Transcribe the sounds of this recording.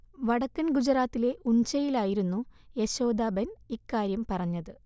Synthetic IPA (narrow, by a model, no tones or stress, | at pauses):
ʋɐɽɐkːɐnɡud͡ʑɐɾaːt̪ːile̞ʔuɲt͡ɕɐjilaːjiɾunːuje̞ɕo̞ːd̪aːbɐnikːaːɾjɐmpɐrɐɲːɐðɨ